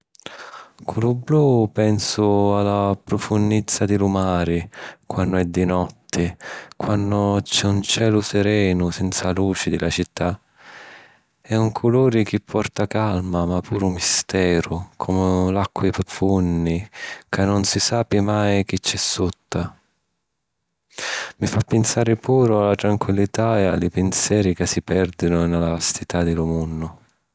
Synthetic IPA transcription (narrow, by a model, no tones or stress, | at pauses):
kʰʊlʊblupɛnsʊalapɾʊfunːit̪sːad̪ɪlumaːɾɪkwanːʊɛd̪ːinɔt̪ʰːɪkwanːʊt͡ʃɛunt͡ʃɛːlʊsɛɾɛːnʊsɛnt̪saluːt͡ʃɪd̪ɪlat͡ʃit̪ʰːa | ɛuŋkʰʊluːɾɪk̟ɪpʰːɔrt̪akalmamapʰuːɾʊmist̪ɛːɾʊkʰɔmʊlakːwipɾʊfunːikanːʊnsisaːpimajk̟ɪt͡ʃːɛsːut̪ːa | mifapːɪnsaːɾɪpuːɾʊalːat̪ɾaŋkwilːit̪aɛa̰lipɪnsjɛːɾikasːipɛrd̪inʊnalavast̪it̪ad̪ɪlʊmunːʊ